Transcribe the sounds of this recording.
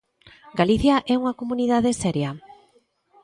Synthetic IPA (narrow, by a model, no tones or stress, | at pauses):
ɡaliθjaʔɛuŋakomuniðaðesɛɾja